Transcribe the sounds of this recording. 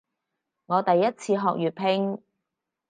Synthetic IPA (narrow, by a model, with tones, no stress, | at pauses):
ŋɔː˨˧t̪ɐ˨jːɐ˥t̚t͡sʰiː˧ɦɔː˨k̚jyː˨t̚pʰɪ˧ŋ